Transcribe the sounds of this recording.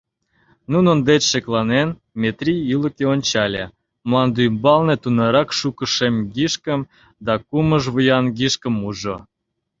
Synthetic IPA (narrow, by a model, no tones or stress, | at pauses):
nunənd̪et͡ɕʃeklˠɑnen | mʲet̪rʲijiləkeonʲt͡ɕɑlʲḛ | mlˠɑnd̪ymbɑlnet̪unɑɾɑkʃukəʃemɡiʃkəm | d̪ɑkuməʒβəjɑnɡiʃkə̆muʒo